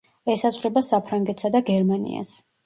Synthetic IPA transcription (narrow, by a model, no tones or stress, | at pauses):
ɛsazʁɾɛbasapʰɾaŋɡɛt̪ʰsad̪aɡɛɾmanḭa̰s